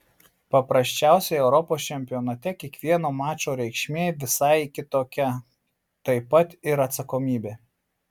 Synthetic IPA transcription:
pɐpɾɐsʲt͡ʃʲæˑʊsʲɛɪɛʊɾɔpoːst͡ʃʲɛmʲpʲɪjɔːnɐt̪ʲɛkʲiɛkʋʲiɛnoːmɑːt͡ʃʲoːɾʲɛɪkʃʲmʲeːʋʲɪsɐɪkʲɪt̪oːkʲɛ | t̪ɐɪpɐt̪ɪɾɐt̪sɐkoːmʲiːbʲeː

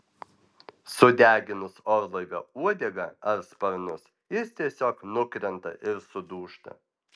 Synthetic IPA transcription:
sʊd̪ʲæːɡʲɪnʊsɔːɾlˠɐɪʋʲoːuɔd̪ʲɛɡɐɐɾspɐɾnʊs | jɪst̪ʲiɛsʲoːknʊkɾʲɛnt̪ɐ̰ʔɪɾsʊd̪uːʃt̪ɐ̰

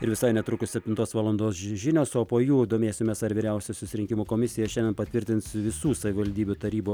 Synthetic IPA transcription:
ɪɾʋʲɪsɐɪnʲɛt̪ɾʊkʊssʲɛpʲt̪ʲɪnt̪oːsʋɑːlˠɐnd̪oːsʒʲɪnʲoːsoːpoːjuːd̪omʲeːsʲoːmʲɛsɐɾʲʋʲiːɾʲɛʊsʲɛsʊsʲɪɾʲɪŋkʲɪmuːkoːmʲɪsʲɪjɛʃʲɛndʲɛnpɐt̪ʲʋʲɪɾʲt̪ʲɪnt̪sʋʲɪsuːsɐʋʲɪʋɐlʲd̪ʲiːbʲut̪ɐɾʲiːboː

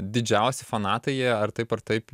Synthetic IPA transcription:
d̪ʲɪd͡ʒʲɛʊsʲɪfɐnɑːt̪ɐjɛːɐrt̪ɐɪpɐrt̪ɐɪp

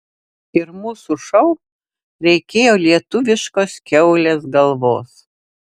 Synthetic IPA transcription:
ɪɾmuːsuʃɐʊ | ɾʲɛɪkʲeːjoːlʲiɛt̪ʊʋʲɪʃkoːskʲɛʊlʲeːsɡɐlˠʋoːs

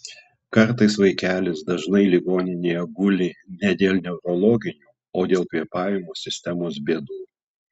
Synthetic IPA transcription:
kɐɾt̪ɐɪsʋɐɪkʲæːlʲɪsd̪ɐʒnɐɪlʲiɡoːnʲɪnʲeːjɛɡʊlʲɪnʲɛd̪ʲeːlˠʲnʲɛʊɾɔlˠɔːɡʲɪnʲuː | oːd̪ʲeːlˠkʋʲiɛpɑːʋʲɪmoːsʲɪsʲt̪ʲɛmoːsbʲeɛd̪uː

